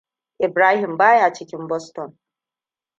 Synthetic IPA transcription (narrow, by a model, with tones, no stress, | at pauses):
e˨bɾa˦ɦi˨m̩˨ba˦ja˨t͡ʃi˨kʲi˨m̩˦bɔ˦stɔ˨n